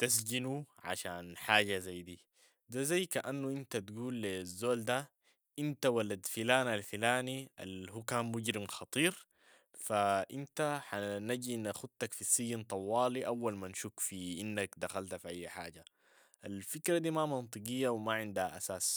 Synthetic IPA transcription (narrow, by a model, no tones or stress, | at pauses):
t̪as̬ɟinuʕa̰ʃaːnħaːɟazajd̪iː | d̪azajːkaʔanːuʔint̪at̪ɡuːlːizːoːld̪a | ʔint̪awalːad̪filaːnalfilaːniʔa̰lɦukaːnmuɟɾimxɑt̪ˤiːɾ | faʔint̪aħanaɟinaxud̪̚t̪akfisijːint̪ˤɑwːɑːliʔawːalmanʃukfiʔinːakd̪axalt̪afiʔajːħa̰ːɟa | ʔalfikɾad̪iːmamɑnt̪ˤɨqijːawmaʕɪnd̪haʔasaːs